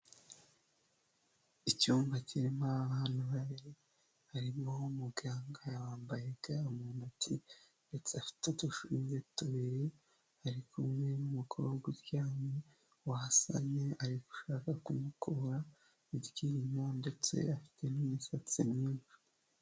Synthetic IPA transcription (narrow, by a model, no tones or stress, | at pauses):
icuːmvaciɾimaaβaːnuβaβiɾe | haɾimoumuɡaːŋɡajawaːmbajeɡaumuːnatʰi | nde̞t͡seafi̥tetuʃuiɲzetuβiɾe | haɾikumŋe̞numukʰooɡiɾjaːme | wahasa̰ɲeaɾiɡu̥ʃaːkakumukʰoɾa | iɾɟiːɾimande̞t͡se̞̰afi̥te̞nimisat͡sinɲiːɱvu